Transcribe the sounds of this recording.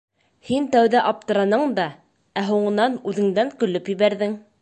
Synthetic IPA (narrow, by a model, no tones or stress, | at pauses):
hint̪æwðæʔɑp̚t̪ɤ̆ɾɑnɤɴd̪ɑ | æɦuɴɤ̆nɑnʉðɘ̆ŋd̪æŋkɵ̆lɵpjɘ̆βæɾðɘŋ